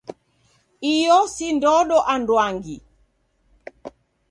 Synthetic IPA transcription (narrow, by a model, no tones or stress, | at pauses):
ijɔsindɔɗɔʔandwaŋɡi